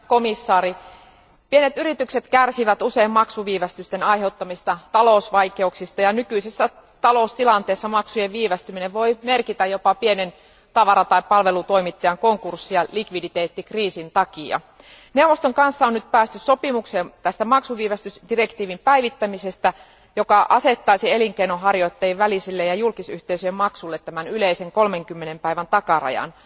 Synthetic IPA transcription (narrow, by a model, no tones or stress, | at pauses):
ko̞misːɑːɾi | pienet̪yɾit̪ykset̪kærsiʋæt̪use̞immɑksuʋiːʋæst̪yst̪enɑjɦe̞ut̪ːɑmist̪ɑt̪ɑlousʋɑike̞uksist̪ɑjɑnykyisesːæ | t̪ɑloust̪ilɑnt̪e̞ːsːɑmɑksujeʋʋiːʋæst̪ymineʋʋo̞jme̞rkit̪æjo̞pɑpienen | t̪ɑʋɑɾɑt̪ɑippɑlʋe̞lut̪o̞imit̪ːɑjɑŋkoŋkursːijɑlikʋidit̪eːt̪ːikriːsint̪ɑkiɑ̰ | neuʋost̪oŋkɑnsːɑonnyt̪̚pæːst̪yssopimuksent̪æst̪æmɑksuʋiːʋæst̪ysd̥ire̞kt̪iːʋimpæjʋit̪ːæmisest̪æ | jo̞kɑʔɑse̞t̪ːɑisie̞liŋkeinoɦɑrjo̞it̪ːɑiʋʋælisilːejɑjulkisyht̪eisyjemmɑksulːet̪t̪ːæmænyleiseŋko̞lmeŋkymːenempæiʋænt̪ɑkɑrɑ̰jɑ̰n